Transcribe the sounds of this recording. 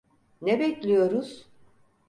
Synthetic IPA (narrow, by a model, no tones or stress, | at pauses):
nɛbɛclʲijo̞ɾuz̥